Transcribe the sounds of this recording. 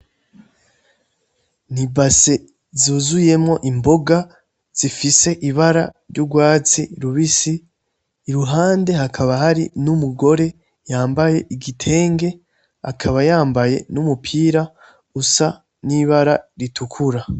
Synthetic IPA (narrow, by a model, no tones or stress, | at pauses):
nibase̞ | zuːzuje̞mŋo̞ʔimbo̞ɡa | z̥ifise̞ʔiβaɾaɾjuɡwaːt͡siɾuβisiː | ɾuɦaːnde̞hakʰaβahaɾḭnumuɡo̞ɾe̞ | jaːmbaje̞ʔiɡitʰe̞ːŋɡe̞ | akʰaβajaːmbaje̞̰numupʰiːɾa | ɡusa | niβaɾaɾitʰukʰuɾa